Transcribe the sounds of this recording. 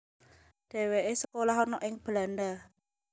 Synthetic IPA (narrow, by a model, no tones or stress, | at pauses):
d̥e̤weʔesəkolaɦɔnɔʔɪŋb̥əlanda